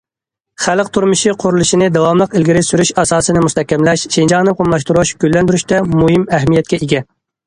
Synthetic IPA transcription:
χælqt̪ʰuɾmɨʃiqʰoɾulˠɨʃinɪd̪ɑwɑmlˠəqɪlɡʲiɾɪsyɾyʃɑsɑːsɨnɪmust̪ʰɛhkʲːɛmlɛʃʃend͡ʒɑʁnɨqʰomlˠɑʃt̪uɾuʃɡ̥ʲølːɛnd̪yɾyʃt̪ɛmuɦɨmæɦmijɛt̪̚ʲkʲɛiɡʲɛ

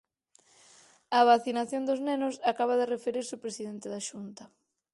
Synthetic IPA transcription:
ɐβaθinaθjond̪oznenʊsakaβ̞aðerefeɾiɾseopɾesiðent̪eðaʃunt̪ɐ

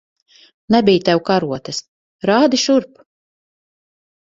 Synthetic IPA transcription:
nɛbijt̪ɛwkaɾuɔt̪ɛs | ɾaːd̪iʃuɾp

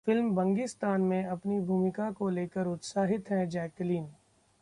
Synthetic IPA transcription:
fɪlmbɐ̃ŋɡɪst̪aːnmẽɐpnibʱuːmɪkakoleːkəɾʊt̪saːɦɪt̪ɦɛ̃d͡ʒɛːkliːn

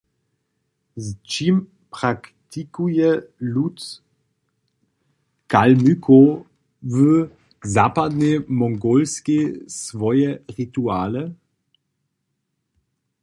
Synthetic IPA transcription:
zt͡ʃim | pʁ̥akt̪ʰikujɛlut̪ | kalmykʰo | və | zapad̪nemɔŋɡolskesvɔjɛʁit̪uaːlɛ

